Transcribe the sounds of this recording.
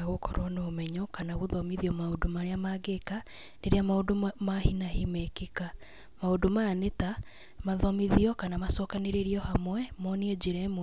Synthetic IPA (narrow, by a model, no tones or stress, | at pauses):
aɣokʰɔɾwɔnoːmɛɲɔkanaɣoðɔmiðiɔmaodomaɾeamaɡeka | neɾeamaodomahinahimɛkika | maodomaːneta | maðɔmiðiɔkanamasɔkaneɾeɾiɔhamwɛmɔneod͡ʑeɾɛm